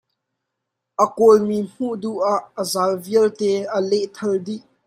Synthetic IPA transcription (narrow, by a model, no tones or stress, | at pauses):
ʔəkɔlmim̥uʔd̪uʔaʔːəzaːlviəlt̪ɛʔəlɛʔt̪ʰɐldiʔ